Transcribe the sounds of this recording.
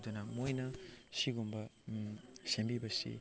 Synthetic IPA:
dɐnɐmojnɐsiɡumbɐ | sembibɐsḭ

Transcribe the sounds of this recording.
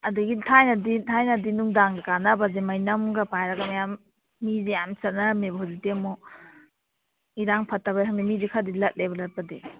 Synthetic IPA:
ɐduɡitʰajnɐditʰajnadinuŋdaŋdkanabazemajnɐmɡɐpajɾaɡamajamː | izejamsɐt̚namebhɔzitemo | iɾaŋpʰɐtːaβaɦaŋnimizikʰadilɐt̚lebɐlɐt̚padi

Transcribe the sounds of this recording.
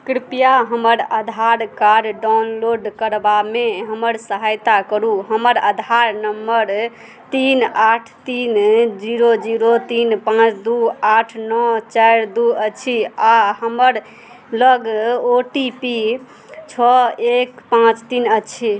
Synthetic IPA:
kɾipjaɦəməɾəd̪ʱaɾkaɾɾɖanloɖkəɾbameɦəməɾsəɦajt̪akəɾuɦəməɾəd̪ʱaɾnəmːəɾ | t̪inaʈʰt̪ind͡ʒiɾod͡ʒiɾot̪inpãt͡ʃd̪uaʈʰnɔt͡ʃajɾd̪uət͡ʃʰiaɦəməɾ | ləɡoʈipi | t͡ʃʰɔekpãt͡ʃt̪inət͡ʃʰi

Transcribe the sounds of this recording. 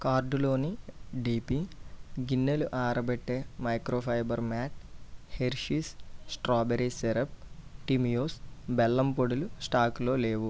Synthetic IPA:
kaːɾɖulo̞ːniɖiːpiɡinːeluʔaːɾɐbeʈːe̞ːmɐjkɾoːpʰɐjbɐɾmaːʈ̚heɾʃissʈɾaːbeɾiseɾɐp̚ʈimjoːsbɛlːɐmpoɽulusʈaːkloːle̞ːʋu

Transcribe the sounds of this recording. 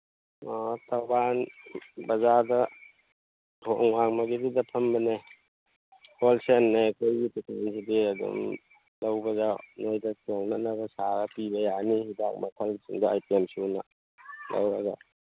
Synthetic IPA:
ɔtʰɐwbanbɐzadɐ | ɔʔŋmaŋmɐɡididɐpʰɐmbɐne | hʰolsenːekʰojɡitutʰansidiɐdṵm | lɐwbɐzanojdɐtʰoŋnanɐɡɐsaɡɐpibɐjanihidak̚makʰɐlsḭŋdɐajtemsunɐ̰ | lɐ̰wɾaza̰

